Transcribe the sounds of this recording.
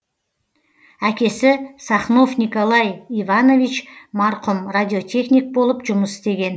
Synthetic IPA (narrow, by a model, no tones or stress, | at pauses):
ækʲe̞sɪsɑχno̞fnʲiko̞lˠɑjivɑno̞vit͡ʃmɑɾqʊmrad̪ʲio̞t̪ʲʰe̞χnʲik̚bo̞lˠəpʒʊməsɪ̥st̪e̞ɡʲe̞n